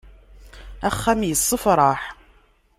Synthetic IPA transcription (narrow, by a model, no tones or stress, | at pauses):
æχːæmjəsˤːəfɾˤɑħ